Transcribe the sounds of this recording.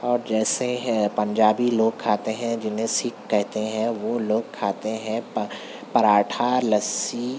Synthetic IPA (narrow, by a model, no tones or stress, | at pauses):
ɔːɾd͡ʒɛːsepɐ̃ɲd͡ʒaːbiloːɡ̚kʰaːt̪eɦɛ̃d͡ʒɪnɦẽsɪkːɛɦt̪eɦɛ̃ʋoloːɡ̚kʰaːt̪eɦɛ̃ | pɐɾaːʈʰalɐsi